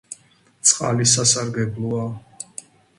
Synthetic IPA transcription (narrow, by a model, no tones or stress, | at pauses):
t̪sʼqʼa̰lisasaɾɡɛblˠɔa